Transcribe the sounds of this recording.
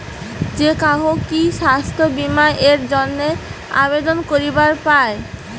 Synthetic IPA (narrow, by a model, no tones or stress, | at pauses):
d͡ʑekaɦokiʃast̪ʰobimaʔeɾd͡ʑonːea̰bed̪onkoɾibaɾpae